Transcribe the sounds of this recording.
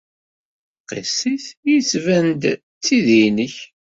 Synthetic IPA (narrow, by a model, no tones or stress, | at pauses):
qḭsiθjit͡sːvænd̪ | t͡sːiðinəç